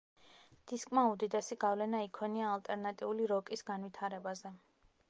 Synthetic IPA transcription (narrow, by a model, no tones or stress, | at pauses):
d̪̥iskʼmaud̪id̪ɛsiɡavlɛnaikʰɔniaːlt̪ʼɛɾnat̪ʼiuliɾɔkʼisɡanvwit̪ʰaɾɛbazɛ